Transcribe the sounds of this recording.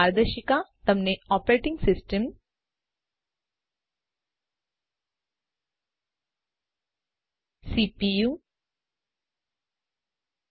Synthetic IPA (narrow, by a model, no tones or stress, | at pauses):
aɾd̪əʃikat̪ɐmneɔːpɾeːʈɪ̃ŋɡsɪsʈəm | siːpiju